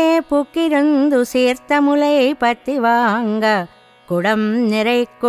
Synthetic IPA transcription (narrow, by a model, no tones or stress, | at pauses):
pʊkːɪɾɯnd̪ɯseːɾt̪ɐmʊlɐɪpɐt̪ːiʋaːŋɡɐ | kʊɽɐmnɪɾɐɪkːɯ